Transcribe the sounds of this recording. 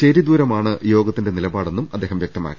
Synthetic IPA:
t͡ɕeɾid̪uːɾɐmaːɳɨjo̞ːɡɐt̪ːinde̞nilɐbaːɽe̞nːumɐd̪ːeːhɐmjek̚t̪ɐma̰ːkːi

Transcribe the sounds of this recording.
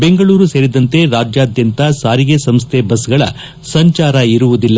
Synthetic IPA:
be̞ŋɡɐɭuːɾuseːɾid̪ɐnt̪e̞ɾaːd͡ʒjaːd̪jɐnt̪asaːɾiɡesɐmst̪ʰebɐsɡɐɭɐ̰ | sɐɲt͡ʃaːɾɐiɾuʋud̪ilːɐ

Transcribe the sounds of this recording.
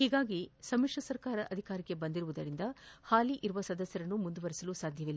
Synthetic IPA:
hiːɡaːɡisɐmikʂɐsɐɾkaːɾɐʔɐd̪ʱikaːɾikːebɐnd̪iɾuʋud̪ɐɾind̪ɐhaːliʔiɾuʋɐsɐd̪ɐsjɐɾɐnːumund̪uʋɐɾisɐlusaːd̪ʱjɐʋilːɐ

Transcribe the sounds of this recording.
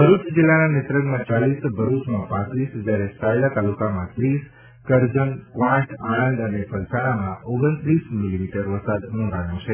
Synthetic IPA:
bʱəɾut͡ʃd͡ʒilːananet̪ɾəɡmãt͡ʃalisbʱəɾut͡ʃmãpãt̪ɾisd͡ʒaɾesailat̪alukamãt̪ɾis | kəɾd͡ʒənkʋãʈʰaɽə̃nd̪ənefʰəlsaɽ̃amãoɡənt̪ɾismilimiʈəɾʋəsad̪nũɾaɳjũt͡ʃʰe

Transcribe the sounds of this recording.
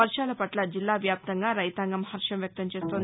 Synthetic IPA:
ɐɾʂaːlɐpɐʈlɐd͡ʒilːaːʋjaːp̚t̪ɐŋɡaːɾɐjt̪aːŋɡɐmɦɐɾʂɐmʋjɐk̚t̪ɐmt͡ʃeːst̪on

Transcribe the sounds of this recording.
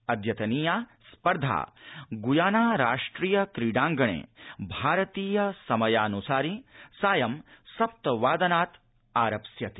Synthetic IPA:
ɐd̪ʱjɐt̪ɐniːjaːspɐɾd̪ʱa̰ːɡujaːnaːɾaːʂʈɾiːjɐkɾiɖaːŋɡɐɳḛːbʱaːɾɐt̪iːjɐsɐmɐjaːnusaːɾisaːjɐmsɐp̚t̪ɐʋaːd̪ɐnaːt̪ | aːɾɐpsjɐt̪i

